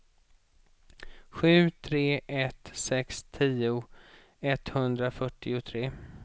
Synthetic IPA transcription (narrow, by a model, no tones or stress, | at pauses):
ɧʉ̟ːt̪ʰɾeːʔɛt̪sɛkst̪ʰiːʊ | ɛt̪hɵnd̪ɾafœʈːɪʊt̪ʰɾeː